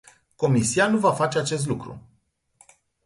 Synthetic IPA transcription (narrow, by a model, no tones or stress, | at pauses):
ko̞misianuvafat͡ʃe̞at͡ʃe̞s̬t̪lukɾṵ